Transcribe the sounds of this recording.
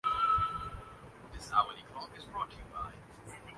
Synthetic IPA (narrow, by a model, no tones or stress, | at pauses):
d̪ɪsawəlikʰl̥ɔkɪzbɹɔːtʰjuba̰ɪ